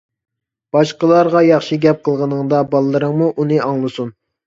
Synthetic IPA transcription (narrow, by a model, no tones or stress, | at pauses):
b̥ɑʃqəlˠɑɾʁɑjɑχʃiɡʲɛp̚qʰəlˠʁənəŋd̪ɑbɑlˠɨːɨɾəŋmuʔunɨʔɑŋlˠɨsun